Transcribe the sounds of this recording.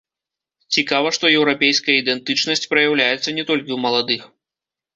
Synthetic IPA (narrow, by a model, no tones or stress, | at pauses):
t͡sʲikavɐʂt̪ɔjɛwɾapʲejskɐjɐid̪ɛnt̪ɨt͡ʂnɐsʲt͡sʲpɾɐjawlʲajɛt̪sɐnʲɛt̪ɔlʲkʲiwmɐlˠad̪ɨx